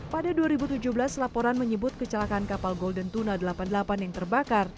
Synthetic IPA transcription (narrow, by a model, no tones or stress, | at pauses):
padaduaɾibut̪ud͡ʒuhbəlaslapɔɾanməɲəbʊt̪̚kət͡ʃəlakankapalɡɔldənt̪unadəlapandəlapanjaŋt̪ərbakar